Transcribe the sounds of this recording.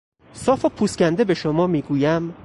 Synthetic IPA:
sɒːfopʰuːscʲænd̪ebe̞ʃomɒːmiːɡuːjæm

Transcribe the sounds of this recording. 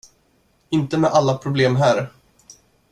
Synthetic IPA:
ɪnt̪əmɛʔalːapʰɾʊbleːmɦæːɾ

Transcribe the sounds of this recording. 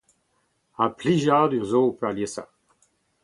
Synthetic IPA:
ãpliʒad̪yzoũpøaljesa̰

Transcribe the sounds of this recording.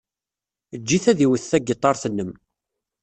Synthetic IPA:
əd͡ʒːiθæðiwəθːæɡət̪ˤːɑɾˤθənːəm

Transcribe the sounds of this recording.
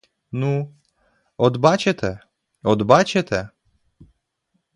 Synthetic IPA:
nu | ɔd̪bat͡ʃɛt̪ʰɛ | ɔd̪bat͡ʃɛt̪ɛ

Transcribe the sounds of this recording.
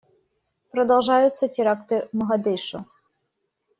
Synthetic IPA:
pɾɔd̪ɐwˠʒɑjʊt͡sʲːɐtʲiɾɑkt̪ɪmɔɦɐd̪ɪʃʊ

